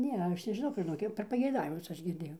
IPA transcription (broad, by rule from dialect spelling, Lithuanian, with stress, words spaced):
ˈnʲɛ ˈɐʃ nʲɛʒʲɪˈnɐʊ ʒʲɪˈnoːk ˈjɛʊ pʲɛr pɐɡʲɛɪˈdɑːʋʲɪmʊs ˈɐʃ ɡʲɪrʲˈdʲeːjɛʊ